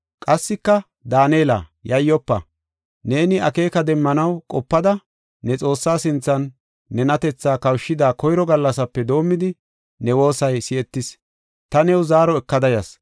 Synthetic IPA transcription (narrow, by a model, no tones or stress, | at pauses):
kʼɐsːɪkːɐ | d̪aːneːlɐ̰jɐjːɔpːɐ | ne̞ːnɪɐke̞ːkɐd̪ɛmːɐnɐwkʼɔpːɐd̪ɐ | nɛt͡sʼo̞ːsːaːsɪnt͡sːɐnː | ɛnɐt̪ɛt͡sːaːkɐwʃːɪd̪aːkɔjɾɔɡɐlːɐsɐpːɛd̪o̞ːmːɪd̪ɪ | nɛwo̞ːsɐjsɪɛt̪ːɪs | t̪ɐnɛwzaːɾɔɛkːɐd̪ɐjɐs